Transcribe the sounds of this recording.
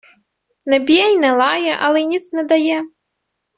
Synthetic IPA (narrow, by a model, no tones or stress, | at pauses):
nabʲijajnalajaʔalajnʲit͡snad̪ajɛ